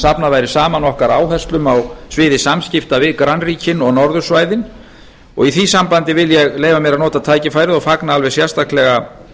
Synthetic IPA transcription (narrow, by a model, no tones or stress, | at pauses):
sapnavajɾɪ̥saːmanɔhkaɾaːwɦɛ̥st̪lʏmawsvɪːðɪsamscɪft̪avɪðkɾanriːcɪnɔɣnɔɾðʏ̥svaːjðɪn | ɔ̰ɣiθvisampant̪ɪvɪljɛɣleːjvamjɛɾanɔːt̪at̪ʰaːjcɪfaːjɾɪðɔfaknaalvɛsjɛrst̪ahklɛɣa